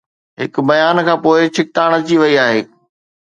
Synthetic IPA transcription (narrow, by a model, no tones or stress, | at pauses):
ɦɪkbɐjaːnkʰãːpoːɪt͡ɕʰɪk̚t̪aːɽ̃t͡ɕiʋɐiaːɦeː